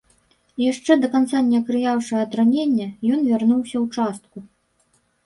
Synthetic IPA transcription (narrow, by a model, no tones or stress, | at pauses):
ijaʂt͡ʂɛd̪ɐkant̪sanʲɛɐkɾɨjawʂɨɛɐt̪ɾanʲenʲːɐjɔnvʲarnuwsʲɐwt͡ʂast̪̚ku